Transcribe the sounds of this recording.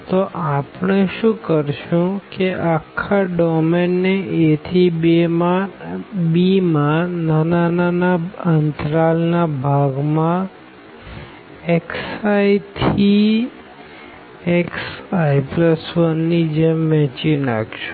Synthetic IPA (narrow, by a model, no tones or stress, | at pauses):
t̪oʔapɳ̃eʃũkəɾʃũkeʔakʰːaɖɔmenːeʔet̪ʰibema | bimãnanananaənt̪ɾalnabʱaɡmã | eksajt̪ʰi | eksaipləsʋənːid͡ʒemʋɛ̃t͡ʃinaɡʃu̥